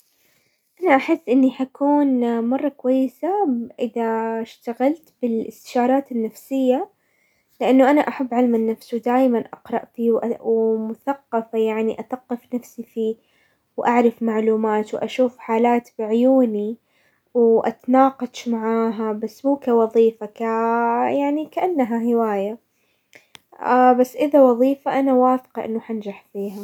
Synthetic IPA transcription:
ʔanaʔaħɪsːʔɪnːiħakʰuːnmɑrˤːɑkwajːɪsaʔɪðaʃt̪aɣalt̪bɪlʔɪst̪ɪ̥ʃɑːɾˤɑːt̪ɪnːafsɪjːa | lɪʔanːʊʔanaʔaħabːʕalmanːafsuwd̪aːjmanʔɑ̰qɾˤɑʔt̪iwwmʊθaqːɑfajaʕniʔaθɑqːɪfnafsifiː | wʔaʕɾˤɪfmaʕluːmaːt̪wʔaʃuːfħaːlaːt̪bɪʕʊjuːni | wʔa̰t̪nɑːqɑʃmaʕaːɦabasːmuːkawɑðˤiːfakajaʕnikaʔanːaɦahɪwaːja | basːʔɪðawɑðˤiːfaʔanawaːfɪ̥qɑʔɪ̰nːʊħand͡ʒaħfiːɦa

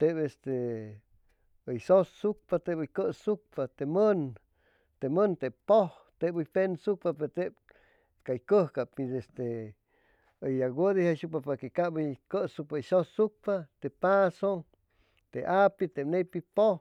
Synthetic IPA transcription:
t̪ebest̪e | əjsosːuk̚pat̪ebɨjkəsuk̚pat̪emən | t̪emənt̪epoh | t̪eʔbɨjpensuk̚papeɾt̪eb̚ | kajkəhkapidest̪e | əjaɡəd̪ihasuk̚papakekabəjkəsuk̚pajsosːuk̚pat̪epaso | t̪eʔapit̪ebnejpipoh

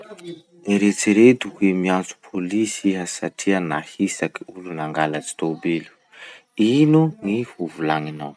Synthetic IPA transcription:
eɾet͡siɾet̪ukuemiant͡su̥pʰolisiɦasaʈ͡ʂʰianahisaki̥ulunaŋɡalat͡si̥t̪obelu̥ | inunihuvulaŋinaw

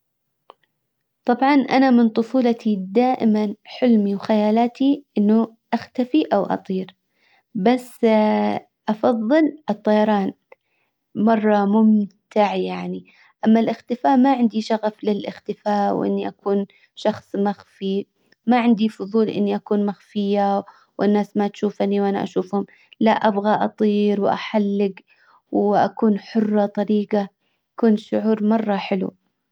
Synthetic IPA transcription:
t̪ˤɑbʕɑnʔa̰namɪnt̪ˤʊfuːlɑt̪id̪aːʔɪmanħɪlmiwxajaːlaːt̪iʔɪnːʊʔaxt̪afiʔawʔɑ̰t̪ˤiːɾ | basː | ʔɑfɑðˤːɨlɨt̪ˤːɑjɑɾˤɑːn | mɑrˤːɑmʊmt̪aʕjaʕni | ʔamːalʔɪxt̪ɪfaːʔmaʕɪnd̪iʃɑɣaflɪlʔɪ̰xt̪ɪfaːwʔɪ̰nːiʔakuːn | ʃɑxsˤmaxfi | maʕɪnd̪ifʊðˤuːlʔɪ̰nːiʔakuːnmaxfɪjːa | wʔɪnːaːsmat̪ʃuːfaniwʔana̰ʔa̰ʃuːfhʊm | laʔabɣaʔɑt̪ˤiːɾwʔa̰ħalːɪɡ | wʔa̰kuːnħʊrˤːɑt̪ˤɑɾiːɡa | akuːnʃʊʕuːɾmɑrˤːɑħɪlṵ

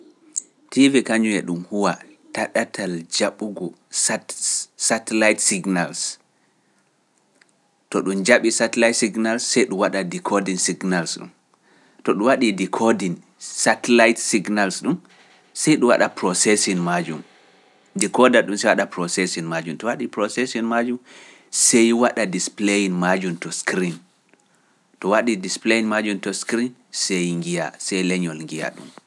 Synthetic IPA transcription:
tivikaɲuɛɗumhuwa | taɗatʰald͡ʒaɓuɡɔ | satɛlajtsiɡnals | tɔɗund͡ʒaɓisatɛlajtsiɡnalsːɛjɗuwaɗadikʰɔdinsiɡnalsɗṵm | tɔɗuwaɗidikʰɔdin | satɛlajtsiɡnalsɗum | sɛjɗuwa̰ɗapɾɔsɛsɔnmad͡ʒum | dikɔdaɗumsɛjwaɗapɾɔsɛsɔnmad͡ʒumtɔwaɗipɾɔsɛsɔnmad͡ʒum | sɛjwaɗadisplejinmad͡ʒumtɔskɾin | tɔwaɗidispleinmad͡ʒumtɔskɾinsejŋɡija̰sɛjlɛɲɔlŋɡija̰ɗṵm

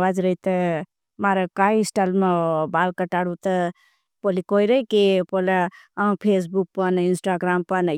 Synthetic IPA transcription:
ad͡ʒɾəit̪ə | maɾəkaisʈalmebaːlkəʈaɽut̪ə | polikoiɾəikepoleãpʰes̬buk̚pəninsʈaɡɾaːmpənə

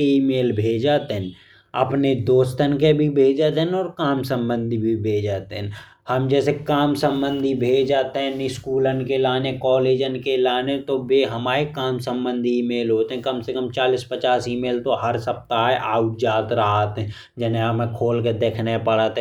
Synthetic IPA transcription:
eiːmeːlbʱeːd͡ʒaːt̪eɦɛ̃n | ə̰pned̪oːst̪ənkebʱibʱeːd͡ʒaːt̪eɦɛ̃nɔːɾkaːmsə̃mbə̃nd̪ʱibʱibʱeːd͡ʒaːt̪eɦɛ̃ | həmd͡ʒɛːsekaːmsə̃mbə̃nd̪ʱibʱeːd͡ʒd͡ʒaːt̪eɦɛ̃nɪskuːlənkelaːnekɔːleːd͡ʒənkelaːnet̪oʋeɦəmaːɾekaːmsə̃mbə̃nd̪ʱiiːmeːlɦoːt̪eɦɛ̃kəmsekəmt͡ʃaːlispət͡ʃaːsiːmeːlt̪oɦəɾsəp̚t̪aːɛʔaːʊʈ̚d͡ʒaːt̪ɾəɦaːt̪ɦɛ̃ | d͡ʒɛːneəmẽkʰoːlked̪eːkʰnepəɽaːt̪ː

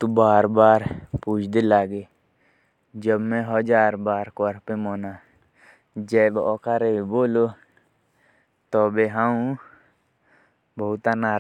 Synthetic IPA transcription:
t̪ubaːɾbaːɾpuːt͡ʃʰd̪elaːɡeː | d͡ʒəbmɛ̃ɦəd͡ʒaːɾbaːɾkɔːɾpemoːnaː | d͡ʒɛːbɔːkaːɾebiboːloː | t̪ɔːbeːɦãũ | bəʊt̪anaː

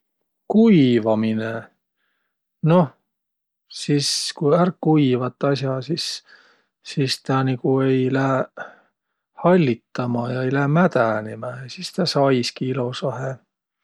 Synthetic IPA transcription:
kuivɑmine | no̞ | siskujærkːuijvɑt̪ˑːɑsjɑsisː | ist̪ɑːnikue̞jlæhe | hɑlʲːit̪ːɑmɑjɑejlæmæt̪ænimeɑsist̪ɑːsɑjskiilosɑɦe

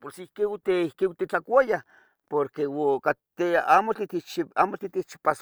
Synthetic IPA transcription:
posihkeut̪eihkeut̪et͡ɬakʷaja | poɾkewokat̪eamot̪it̪it͡ʃiamot̪it̪iht͡ʃi̥pas

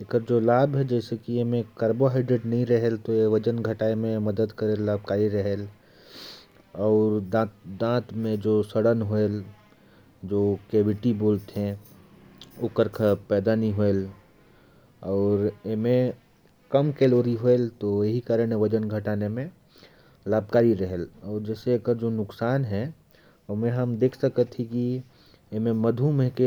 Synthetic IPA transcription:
ekəɾd͡ʒoːlaːbɦɛd͡ʒɛːsekiemẽkəɾboɦaːɪɖɾeɖnɐɦĩɾɐɦelt̪oeʋɐd͡ʒənɡʱɐʈaːemẽmɐd̪əd̪kəɾelːaːb̚kaːɾiɾɐɦeːl | ɔːɾd̪ãd̪ãːt̪mẽd͡ʒoːsəɽənɦoel | d͡ʒoːkeːʋɪʈiboːlt̪ɦɛ̃ | ʊkəɾkʰəpɛːd̪aniɦoel | ɔːɾemẽ | kəmkeːloːɾiɦoelt̪ojeɦikaːɾəɽ̃ɦẽʋəd͡ʒənɡʱəʈaːnemẽ | laːbkaːɾiɾəɦelɔːɾd͡ʒɛːseekəd͡ʒonʊksaːnɦɛ | mẽɦəmd̪eːkʰsəkət̪ʰːiki | emẽməd̪ʱumẽke

